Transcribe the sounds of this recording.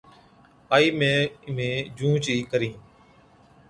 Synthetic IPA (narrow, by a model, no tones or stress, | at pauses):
aːiːmẽːmẽːd͡ʒũːt͡ʃiːkəɾĩː